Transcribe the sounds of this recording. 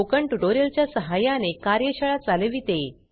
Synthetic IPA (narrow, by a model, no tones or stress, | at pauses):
okəɳʈuʈoɾelt͡ɕjasəɦajãnekaɾjəɕəɭat͡saləʋiːt̪e